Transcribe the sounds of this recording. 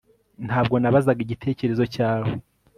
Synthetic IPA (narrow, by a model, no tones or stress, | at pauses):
nhaːb̚ɡo̞naβazaɡiɟitʰe̞ːce̞ɾe̞zo̞caːwo